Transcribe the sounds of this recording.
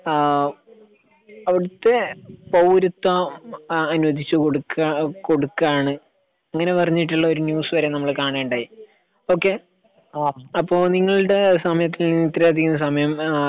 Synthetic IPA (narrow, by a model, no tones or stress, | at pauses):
ɐʋiɽɐt̪ːe̞pɐwɾut̪ːɐ | ɐnuʋɐd̪it͡ɕːɨkoɽukːako̞ɽukːaːɳɨ | ɐŋːɐne̞pɐrɐɲːiʈːuɭːɐo̞ɾunjuːsʋɐɾe̞ːnɐmːɐɭkaːɳeːɳɖaːji | o̞ːkːe̞ | ɐpːo̞ːniŋːɐɭɨɽe̞sɐmɐjɐt̪ːilnit̪rɐjaːt̪̬ːikʲːunːɐsɐmɐjɐm